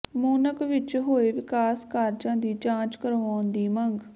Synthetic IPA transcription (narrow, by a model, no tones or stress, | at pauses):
moːnəkʋɪt͡ʃɦoːeːʋɪkaːskaːɾd͡ʒãːd̪iːd͡ʒãːt͡ʃkəɾoːaːnd̪iːməŋɡ